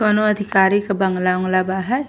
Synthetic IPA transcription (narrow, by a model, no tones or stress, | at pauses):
kɔnoəd̪ʱikaːɾikbəŋɡlaʊ̃ŋɡlabaɦɛ